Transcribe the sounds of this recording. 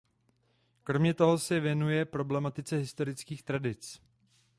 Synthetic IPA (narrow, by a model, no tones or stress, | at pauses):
kɾo̞mɲɛt̪o̞ɦo̞sɛvjɛnujɛpɾo̞blɛmat̪ɪt͡sɛɦɪst̪o̞ɾɪt͡skiːxt̪ɾadɪt͡s